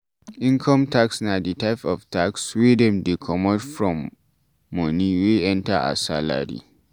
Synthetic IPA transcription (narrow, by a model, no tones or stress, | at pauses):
ʔĩŋkʰɔmtaksnaditaɪpɔftakswidɛ̃mdikʰɔmɔdfɹɔmː | ɔniwiʔɛ̃ntaʔa̰sala̰ɾḭ